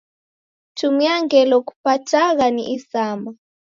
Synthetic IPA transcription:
tʰumiaŋɡɛlɔku̥patʰaɣanḭʔisaːma

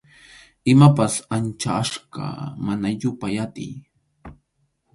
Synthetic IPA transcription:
ɪmapasant͡ʃaːʃɢɑ̰manaʎʊpajat̪ɪ̰j

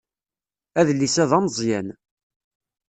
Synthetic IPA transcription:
æðlːisæðɑmzˤjæn

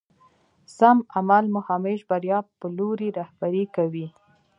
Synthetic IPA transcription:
samamalmʊhɑmeʒbaɾjɑpəloɾiɾahbaɾekawi

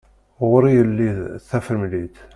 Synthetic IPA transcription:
ʁʊɾijəlːiðθːæfəɾmlit̪

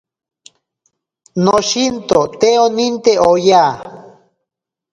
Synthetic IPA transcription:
noʃint̪ot̪eonint̪eoja

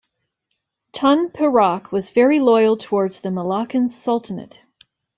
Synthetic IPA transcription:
tʰɑ̃npʰəɹɑkʰwʌzvɛɹilɔɪl̩ˠtʰəwɔɹdz̥ðɨməlɑkɨ̃n̥sʌlˠtɨnɨ̰t̚

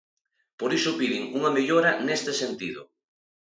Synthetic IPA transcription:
poɾisʊpiðiŋuŋɐmeʎoɾanest̪esent̪iðʊ̰

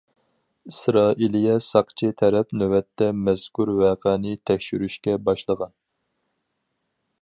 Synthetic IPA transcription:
isɾɑːʔilijɛsɑqt͡ʃʰit̪ʰɛɾɛpnøwɛt̪ʰːɛmɛz̥kʰuɾwæːqʰɛnɪt̪ʰɛkʲʃyɾyʃkʲɛbɑʃlˠəʁɑn

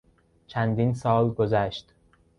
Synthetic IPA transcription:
t͡ʃʰænd̪insɒːlɡozæʃt̪

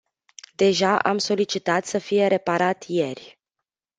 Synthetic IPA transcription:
d̪e̞ʒaʔamso̞lit͡ʃit̪at̪səfije̞ɾe̞paɾat̪je̞rʲ

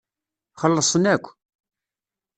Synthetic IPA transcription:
χəlːəsˤənækʷː

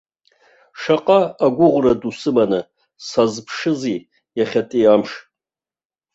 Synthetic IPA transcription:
ʂaqʼaːɡʷʊʁʷradusɨmanɨ | sazpʰʂɨzi | jaχʲatʼiamʂ

